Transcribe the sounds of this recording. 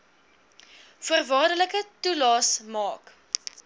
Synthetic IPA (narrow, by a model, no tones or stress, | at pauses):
fərvɑːrdələkətulɑːsmɑːk